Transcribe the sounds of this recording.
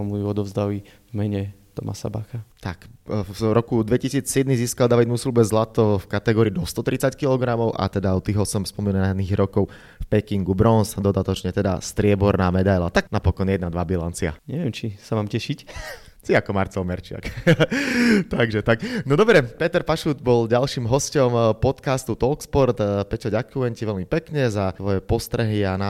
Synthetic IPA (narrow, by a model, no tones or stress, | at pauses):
ɔmujuɔd̪ɔvzd̪ali | vmɛɲɛt̪ɔma̰sa̰ba̰xat̪akɾɔkud̪ʋɛcisiːt͡sːɪɛd̪niziːskalˠd̪aʋid̪musilubɛzlat̪ɔfkat̪ɛɡɔːɾiːd̪ɔst̪ɔt̪ɾit͡sackilɔɡɾamɔʊʔa̰t̪ɛd̪aɔt̪iɦɔsɔmspɔminaniːɣɾɔkɔʊ | fpɛkiŋɡubɾɔnsd̪ɔd̪at̪ɔt͡ʃɲɛt̪ɛd̪a̰st̪ɾɪɛbɔɾnaːmɛd̪ajlat̪aɡnapɔkɔnjɛd̪nad̪ʋabilant͡sia̰ɲɛʋɪɛmt͡ʃisamaːmcɛʃic | t͡siakɔmaɾt͡sɔʊmɛɾt͡ʃɪa̰k | t̪aɡʒɛt̪aknɔd̪ɔbɾɛpɛt̪ɛɾpaʃuːd̪bɔlɟalʃiːmɦɔscɔmpɔt̪kast̪ut̪ɔlkspɔɾt̪pɛcɔɟakujɛɲciʋɛlmipɛkɲɛzaʋɔjɛpɔst̪ɾɛɦiana